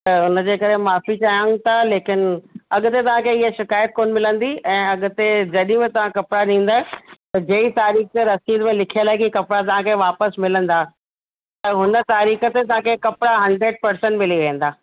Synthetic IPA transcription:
t̪ɐʊnəd͡ʑeːkɐɾemaːfit͡ɕajaŋt̪ʰaleːkɪnɐɠʊt̪et̪ɐʋ̤ãkʰeɪɦeʃɪkaːjət̪̚koːnmɪlə̃nd̪iɛ̃ːɐɠʊ̆t̪ed͡ʑɐɗĩmẽt̪ɐʋ̤ãkɐpɪɽaɗĩːn̆d̪aːɦɛt̪ɐd͡ʑɐːit̪aːɾiːxt̪eɾɐsiːd̪mẽlɪkʰijəlaːɦekikɐpɽat̪ɐʋ̤ãkʰeʋaːpəsmɪlə̃nd̪aː | t̪ɐɦʊnə̆t̪aːɾiːxət̪et̪ɐʋ̤ãkʰekɐpɽaɦɐ̃ɳɖɾeːɖ̚pɐɾsə̃ɳʈmɪliʋẽɦə̃nd̪aː

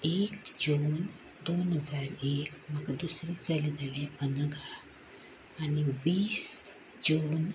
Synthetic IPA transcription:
ekd͡ʑun | d̪onɦəd͡zaɾekməɡad̪usɾĩt͡salid͡zalẽənəɡʱaː | niʋiːs | d͡ʑon

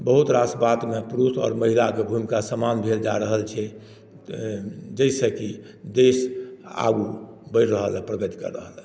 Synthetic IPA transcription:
bəɦut̪ɾasbat̪mepɾusɔ̰ːɾməɦilakebʱumikasəmanbʱeld͡ʒaɾəɦəlt͡ʃʰɛ | d͡ʒəjsəki | d̪esa̰ɡubəɪɾɾəɦəlpɾəɡət̪i̥kə̰ɾːəɦəl

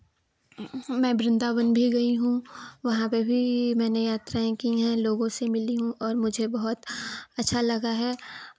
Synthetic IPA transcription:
mɛ̃ːbɾɪ̃nd̪aːʋənbʱiɡɐiɦũʋɐɦãpebʱimɛ̃ːnejaːt̪ɾaːẽkiɦɛ̃loːɡõsemɪliɦũʔɔːɾmʊd͡ʒʱebɐɦʊt̪ɐtːʃʰalɐɡaɦɛː

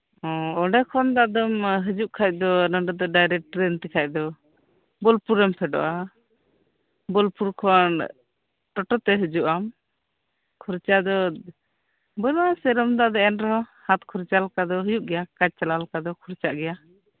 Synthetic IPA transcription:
ɔ̃ɔɖɛkʰɔnd̪ad̪ɔmɦəd͡ʒuʔkʰac̚d̪ɔnɔɖɛd̪ɔɖajɾɛk̚ʈɾɛnt̪ikʰac̚d̪ɔ | bɔlpuɾɛmpʰɛɖɔ̰ʔa | bɔlpuɾkʰɔn | ʈɔʈɔt̪ɛɦəd͡ʒuʔam | kʰuɾt͡ʃaʔd̪ɔ | bɔaasɛɾɔmd̪aʔd̪ɔɛnɾɔhat̪kʰuɾt͡ʃalkad̪ɔɦəjuʔɡɛjakad͡ʒ̚t͡ʃalalkad̪ɔkʰuɾt͡ʃaʔɡɛja

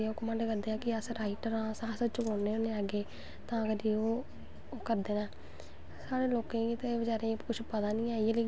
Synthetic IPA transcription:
okəmə̃ɳɖkəɾd̪eːãːkɪəsɾaːɪʈəɾãːsãːsət͡ʃkoːeːoːneːaːɡeː | t̪ãːəɡəɾioː | kəɾd̪eːnɛ̃ː | saːɽeːloːkẽːit̪ebəd͡ʒaːɾekʊʃʰpəd̪aːnĩːaːieleː

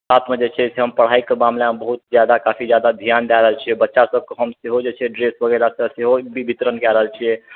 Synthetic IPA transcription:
sat̪ʰmed͡ʒet͡ʃʰɛseɦəmpəɽ̤aikːemamlamebəɦut̪̚d͡ʒjad̪akapʰid͡ʒjad̪ad̪ʱijand̪aɾəɦəlt͡ʃʰiɛbətːʃasəb̚keɦəmseɦod͡ʒet͡ʃʰɛɖɾesbʱəɡelasə̃seɦobibʱit̪ɾənkɛɾəɦəlt͡ʃʰiɛ

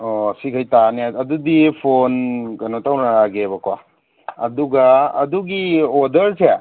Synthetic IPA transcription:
ɔsikʰajtaniɐdudipʰonkanotawnaɾaɡeβɐkwa̰ | ɐ̰duɡaɐduɡiodɐɾse

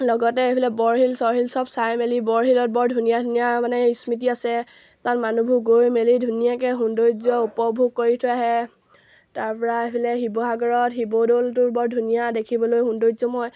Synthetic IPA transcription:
lɔɡɔtɛebʰʱilɛbɔɹɦilsɔɹɦilsɔbsajmelibɔɹɦilɔt̚bɔɹdʱunijadʱunijamanɛismit̬iasɛ | tanmanubʱuɡojmelidʱunijak̬ɛɦundojzɔupɔbʱuɡ̚kːoɹitʰɔaɦɛ | taɹpɔɹaebʰʱilɛɦibɔɦaɡɔɹɔtɦibodoltʊɹbɔɹdʱunijadekʰibɔlojɦundojzɔmɔj

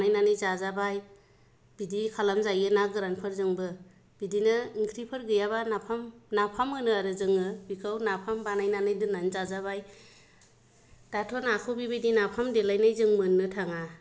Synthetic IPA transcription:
najnanɯjzazabaj | b̥idikʰalamzajɯnaɡɯɾanpʰɯɾzɯŋbɯ | b̥idinɯiŋkʰɾipʰɯɾɡɯjaβanapʰamnapʰamɯnɯaɾɯzɯŋɯbikʰawnapʰambanajnanɯjdɯnanizazaβaj | d̥atʰɔnakʰɯbibidinapʰamdelajnajzɯŋmɯnːɯtʰaŋa

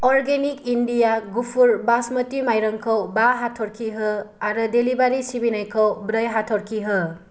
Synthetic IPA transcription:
ɔɾɡenikindijaɡupʰuɾbasmətimajɾɯŋkʰɯwbaɦatʰɔɾkʰiɦɯaɾɯdelibaɾisibinajkʰɯwbɾɯjɦatʰɔɾkʰiɦɯ

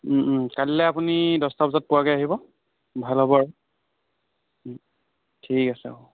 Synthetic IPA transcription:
kallɛapunidɔstapzat̚pʊakajaɦibɔ | bʱalɦɔbɔɹ | tʰikasɛ

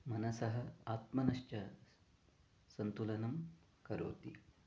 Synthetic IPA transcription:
mɐnɐsɐɦɐ̆aːt̪mɐnɐʃt͡ʃɐ | sɐnt̪ulɐnɐm | kɐɾo̰ːt̪i

